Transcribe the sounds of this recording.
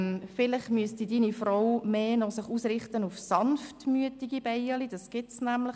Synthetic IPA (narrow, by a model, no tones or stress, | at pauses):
fɪlɪχmyəstidiːnifrowmeːnɔsɪχuːsrɪχtənufsɑnftmyətiɡib̥ɛɪəlid̥ɑsɡ̥ɪtsnæmləχ